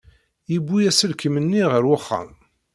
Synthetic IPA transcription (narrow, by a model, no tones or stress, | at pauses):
jibːujæsəlkəmənːiʁəɾwaχːæ̰m